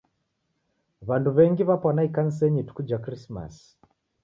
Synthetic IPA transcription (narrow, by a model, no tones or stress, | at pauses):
βanduβɛŋɡiβapwanaikanis̬ɛɲitu̥kud͡ʒakrisma̰s